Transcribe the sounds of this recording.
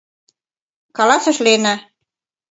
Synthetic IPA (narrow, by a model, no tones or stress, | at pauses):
kɑlɑsɤ̆ʃlenæ